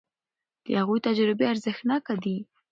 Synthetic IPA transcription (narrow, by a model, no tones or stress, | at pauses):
d̪̥əhaɣujt̪ad͡ʒɾɪbeaɾzəxnɑkad̪i